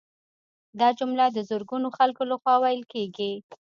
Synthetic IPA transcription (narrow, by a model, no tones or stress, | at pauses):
d̪ɑd͡ʒʊmlad̪əzʊɾɡunoxalkolaxwɑwajəlkeɡi